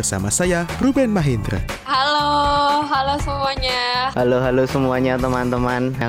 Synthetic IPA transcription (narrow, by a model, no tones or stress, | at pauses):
ərsa̰masajarubɛnmaɦind̪ɾa̰ | haloɦalosəmuaɲahaloɦalosəmuaɲat̪əmant̪əmana